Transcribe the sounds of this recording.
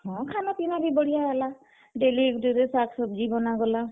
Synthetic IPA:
hɔ̃kʰanap̪inabibɔɽijaala | ɖelikdiɾesaksɔb̚d͡ʒibɔnaɡɔla

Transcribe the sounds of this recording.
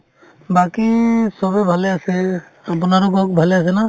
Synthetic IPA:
bakisɔbebʱalease | ap̬naɾokɔkbʱaleas̬ɛna

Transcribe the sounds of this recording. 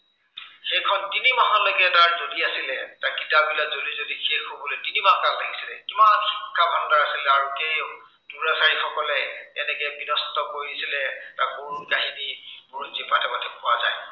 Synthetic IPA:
xejkʰɔntinimaɦɔlokɛtaɹzodiasilɛtaɹkitabilazodizodixexobɔletinibakalaɡisilɛkimanxikʰːabʱandaɹasilɛaɹukej | d̥uɹasaɹixɔkɔlɛɛnɛkɛbinɔstɔkoɹisilɛtakuɹukaɦinimʊɹzipatʰɛbatʰɛpɔwaza̰j

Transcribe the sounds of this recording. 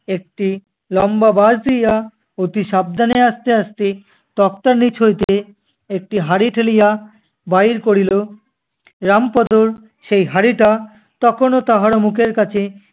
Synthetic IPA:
ek̚ʈi | lɔmbabazd̪ija | ot̪iʃab̚d̪ʱaneaʃt̪eaʃt̪e | t̪ɔk̚t̪aɾnit͡ɕʰojt̪e | ek̚ʈiɦaɾiʈʰelija | bajɾkoɾilo | ɾampɔd̪oɾ | ʃejɦaɾiʈa | t̪ɔkʰonot̪aɦaɾomukʰeɾkat͡ɕʰe

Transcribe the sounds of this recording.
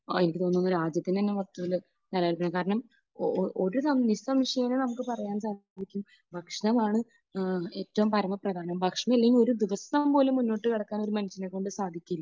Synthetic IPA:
enikʲːɨt̪onːuonːɐɾaːd͡ʑjɐt̪ːint̪ɐnːe̞ʋɐrt̪ːuʋil | nɐlːaːɾupːɐnɐkaːɾɐɳɐm | ʔoɾusɐmnisɐmʂɐjɐnenɐmukːɨpɐrɐjaːnsaːikʲːum | bʱɐkʂɐɳɐmaːɳɨ | e̞ːtːɐʋumpɐɾɐmɐprɐd̪ʱaːnɐmbʱɐkʂɐɳɐmelːeŋɡilo̞ɾud̪iʋɐsɐmpo̞ːlemːunːo̞ːʈːɨkɐɽɐkːaːno̞ɾumɐnɐɕːɐnekːo̞ɳɖɨsaːd̪ʱikʲːuilːɐ

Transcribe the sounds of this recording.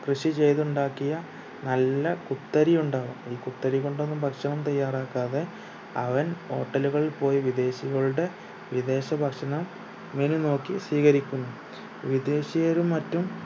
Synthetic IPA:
krɨʂit͡ɕe̞jt̪uɳɖaːkːijɐ | nɐlːɐkut̪ːɐɾijuɳɖaːʋumiːkut̪ːɐɾikoɳɖonːumbʱɐkʂɐɳɐmt̪ɐjːaːraːkːaːðe̞ | ɐʋɐno̞ːʈːɐluɣɐɭilpo̞ːjiʋid̪e̞ːɕiɣɐɭuɽe̞ | ʋid̪e̞ːɕɐbʱɐkʂɐɳɐm | ʋenuno̞ːkːisʋiːɣɐɾikʲːunːu | ʋid̪e̞ːɕijeɾumːɐtːum

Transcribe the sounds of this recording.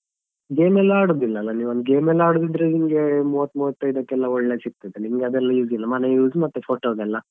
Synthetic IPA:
ɡeːmɛlːɐaːɽoːd̪ilːɐːlːɐniːʋuond̪ɡeːmɛlːaːɽod̪id̪ɾenimɡemuːʋɐt̪ːmuːʋɐt̪ːɐjd̪ɐkːɛlːɐɔɭːet͡ʃik̚t̪ajd̪enimɡeɐd̪ɛlːɐjuːzilːɐmɐnejuːzmɐt̪ːepʰoːʈoːɡɛlːɐ

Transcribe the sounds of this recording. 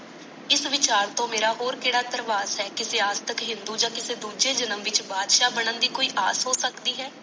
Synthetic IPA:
ɪsʋɪt͡ʃaːɾt̪õːmeːɾaːɦoːɾkeːɽaːt̪əɾʋaːsɦɛːkɪseːaːd͡ʒt̪əkɦɪ̃nd̪uːd͡ʒãːkɪseːd̪uːd͡ʒeːd͡ʒənəmʋɪt͡ʃbaːd̪ʃaːbəɳənd̪iːkoːiːʔaːsɦoːsəkd̪iːɦɛː

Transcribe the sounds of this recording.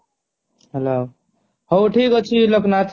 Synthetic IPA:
ɦelo | howʈʰikot͡ʃʰiloknat̪ʰ

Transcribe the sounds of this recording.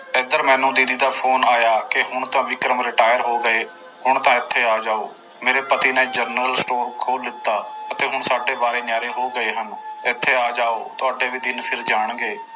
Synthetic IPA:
ɪd̪əɾmɛ̃ːnũːd̪iːd̪iːd̪aːpʰoːnaːjaːkɪɦʊɳt̪ãːʋɪkɾəmɾɪʈaːjəɾɦoːɡəeː | hʊɳt̪ãːɪt̪ʰːeːaːd͡ʒaːoː | meːɾeːpət̪iːneːd͡ʒəɾnɾəlsʈoːɾkʰoːld̪ɪt̪ːaːət̪eːɦʊɳsaːɖeːbaːɾeːnjaːɾeːɦoːɡəeːɦənɪt̪ʰːeːaːd͡ʒaːoːt̪ʊaːɖeːʋiːd̪ɪnpʰɪɾd͡ʒaːɽ̃ɡeː

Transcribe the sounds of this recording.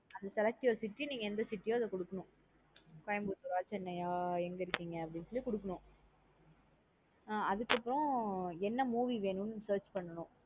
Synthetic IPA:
ɐnd̪ɐsɛlɐk̚ʈiɔɾsɪʈːiniːŋɡɐɛnd̪ɐsɪʈːijoːɐðɐkɔɽɯkːɐnʊ̃ | kɔjɐmbɯt̪ʊɾaːlt͡ʃɛnːɐjaːɛŋɡɐɪɾɯkːiːŋɡɐɐpːɐɽɪnsɔɭːikɔɽɯk̬ːɐɳʊ̃ | ɐðɯkːɐpːɯɾɔ̃ɛnːɐmuːʋiʋeːnʊnːɯsɐːɾt͡ʃpɐɳːɐnʊ̃

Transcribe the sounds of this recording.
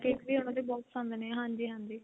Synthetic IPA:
kɪkbiːɦoɽ̃õd̪eːbɔːksãːnd̪eneːɦãːɲd͡ʒiːɦãːnd͡ʒ̪iː

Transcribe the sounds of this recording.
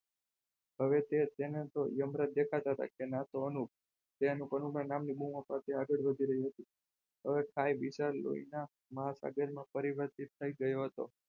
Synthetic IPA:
ɦəʋet̪et̪enet̪ojəmɾət̪̚d̪ekʰat̪aɦət̪a̰kenat̪oənuk̚ | t̪eənupənumnanamnibumõpat̪ʰeaɡəɽʋəd̪ʱiɾəɦiɦət̪i | ɦəʋekʰajʋiʃaɾlo̰ḭna | məɦasa̰ɡəɾmãpəɾiʋəɾt̪it̪ʰːəiɡəjoɦət̪o̰

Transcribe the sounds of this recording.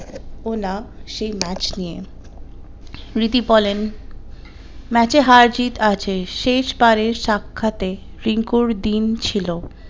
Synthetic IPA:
onaʃejmɛt͡ɕnije | ɾit̪ibɔlen | mɛt͡ɕeɦaɾd͡ʑit̪at͡ɕʰeʃeʃbaɾeɾʃakʰːat̪e | ɾiŋkuɾd̪int͡ɕʰilo

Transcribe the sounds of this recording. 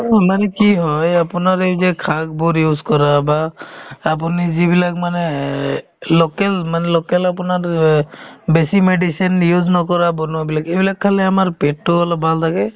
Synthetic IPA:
manɛkiɦɔjapʊnaɾezɛkʰak̚bɔɾjuzkɔɾabaː | p̬unizibilakmanɛ | lɔkɛlmanɛlɔkɛlapunaɾ | besimeɖisinjuznɔkɔɾabɔnuwabilakebilakʰːalɛamaɹpeʈ̚ʈualɔbʱalt̪ʰakɛ

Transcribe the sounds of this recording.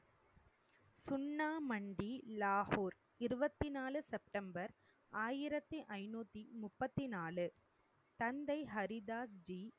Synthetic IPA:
sʊnːaːmɐɳɖilaːhuːɾ | ɪɾɯbɐt̪ːinaːlɯsɛp̚ʈɐmbɐɾ | aːjɪɾɐt̪ːɯʔɐɪnuːt̪ːimʊpːɐt̪ːinaːlɯ | t̪ɐnd̪ɐɪɦɐɾɪd̪aːsd͡ʒi

